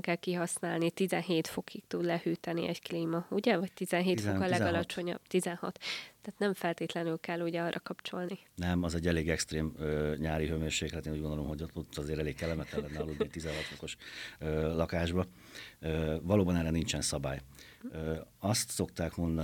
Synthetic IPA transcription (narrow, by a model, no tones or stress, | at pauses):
ŋkɛlkiɦɒsnaːlnit̪izɛnɦeːt̪fo̞kʰik̚t̪ud̪lɛhyːt̪ɛnḭʔɛɟkliːmɒuɟɛvɒct̪izɛnɦeːt̪fokɒlɛɡɒlɒt͡ʃo̞ɲɒ̰b̥t̪izɛnhɒ̰t̪ːaːt̪nɛɱfɛlt̪eːt̪lɛnylkɛlːuɟɛɒrːʔɒkɒpt͡ʃo̞lninɛmɒzɛɟːɛleːɡɛkst̪ɾeːmøɲaːɾiɦømøːʃeːɡɛːt̪eːnuːɟɡond̪olomhoɟ̪ot̪ːɒzeːɾɛleːkkɛlːɛmɛt̪ɛllɛnːɛɒlud̪it̪izɛnɦɒt̪fo̞ko̞ʃøːlɒkaːʒbɒ | øvɒloːbɒnɛɾɛnint͡ʃɛnsɒba̰ːj | øɒst̪so̞k̚t̪aːkmo̞nd̪